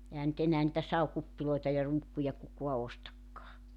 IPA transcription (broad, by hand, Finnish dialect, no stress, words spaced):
ehæn nyt enæː nĭtæ sɑukupːiloetɑ jɑ ruːkːujɑ kukoɑ ostɑkːɑː